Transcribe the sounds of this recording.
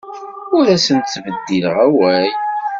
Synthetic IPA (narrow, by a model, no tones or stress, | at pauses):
ʊɾæsənt̪θvəd̪ːiləʁæwæj